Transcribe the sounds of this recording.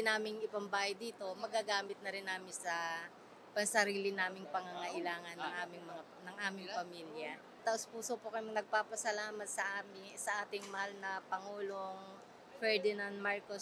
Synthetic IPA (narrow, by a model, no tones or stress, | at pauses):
ɪnaːmɪŋɪpɐmbaːjɐd̪iːt̪o̞mɐɡaːɡaːmɪt̪̚nɐɾɪnːaːmɪnsɐ | pɐŋsɐɾiːlɪnaːmɪŋpɐŋaŋɐʔɪlaːŋɐnːɐŋʔaːmɪŋmɐŋa | nɐŋʔaːmɪŋpɐmiːljɐ | t̪ɐʔʊspuːsopokɐjɪŋnɐɡ̚paːpɐsɐlaːmɐt̪̚sɐʔaːmɪsɐʔaːt̪ɪŋmɐhalnɐpɐŋuːlo̞ŋ | fɛɹd̪ɪnand̪maɹkos